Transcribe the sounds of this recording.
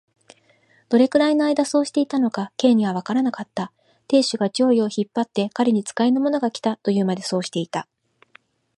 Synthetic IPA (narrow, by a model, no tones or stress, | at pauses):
d̪̥o̞ɾe̞kɯ̟ɾaino̞aid̪aso̞ːɕi̥t̪e̞it̪ano̞kake̞ːɲ̟iβ̞aβ̞akaɾanakat̪ːa | t̪e̞ːɕɨɡat͡ɕo̞ːio̞çipːat̪ːe̞kaɾʲeɲ̟it͡sɨ̥kaenomo̞no̞ɡakʲi̥t̪at̪o̞jɯ̟ːmad̪e̞so̞ːɕi̥t̪e̞it̪a